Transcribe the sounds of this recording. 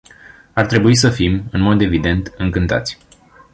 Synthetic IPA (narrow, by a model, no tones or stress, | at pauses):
art̪ɾe̞buis̬əfimɨnmo̞d̪e̞vid̪e̞nt̪ɨŋkɨnt̪a̰t̪sʲ